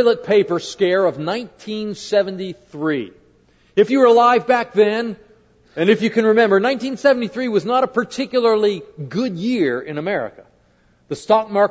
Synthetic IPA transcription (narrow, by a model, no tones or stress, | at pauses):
lˠət̚pʰeɪpə˞skɛɹʌvnãɪ̃ntʰĩnsɛvɨ̃ntiθɹḭ | ɨfjɨwə˞əlaɪvbæk̚ðɨ̃n | ɨ̃nɨfjɨkɨ̃nɹɨmɛ̃mbə˞nãɪ̃ntĩnsɛvn̩tiθɹiwʌznəɾəpʰə˞tʰɪkjl̩ˠə˞lˠiɡʊd̚jɪɹɪ̃nɨmɛɹɨ̰kə | ðɨstɑk̚mɑɹ